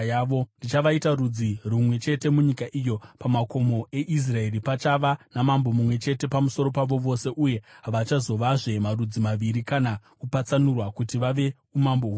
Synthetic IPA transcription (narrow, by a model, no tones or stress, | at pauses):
ʋondit͡ʃaʋaitarud͡zirumwe̞t͡ʃe̞te̞muɲikaʔijo̞pamako̞mo̞e̞ʔis̬rae̞ripat͡ʃaʋanamambo̞mumwe̞t͡ʃe̞te̞pamuso̞ɾo̞paʋo̞ʋo̞se̞ʔuje̞ɦaʋat͡ʃazo̞ʋaʐe̞marud͡zimaʋiɾikanakupat͡sanurwakutiʋaʋe̞ | umamboɦu